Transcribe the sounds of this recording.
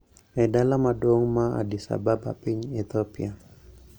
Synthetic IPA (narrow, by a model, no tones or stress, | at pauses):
mɛdalamadwoŋmaa̰disa̰baba̰piɲɛt̪ɔpia